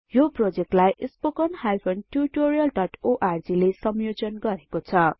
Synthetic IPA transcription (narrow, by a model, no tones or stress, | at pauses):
joprod͡zek̚ʈlajʔispokʌnhajpʰonʈuɾiʈoɾijʌlɖʌʈoʔard͡zilesʌmjod͡zʌnɡʌɾekot͡sʰʌ